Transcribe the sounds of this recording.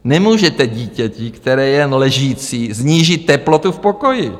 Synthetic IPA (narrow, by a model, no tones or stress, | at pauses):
nɛmuːʒɛt̪ɛɟiːcɛcɪkt̪ɛɾɛːjɛnlɛʒiːt͡siːzɲiːʒɪt̪ːɛplot̪ufpoko̞jɪ